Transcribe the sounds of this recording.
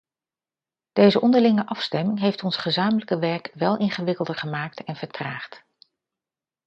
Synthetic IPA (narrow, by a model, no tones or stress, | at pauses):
d̥ejzəʔɔndəɹlɪŋəʔɑfstɛmɪŋɦejftɔnsχəzaːmələkəʋɛɹkʋɛlˠʔɪŋχəʋɪkəlˠdəɹχəmaːk̚tɛnv̥əɹtraːχt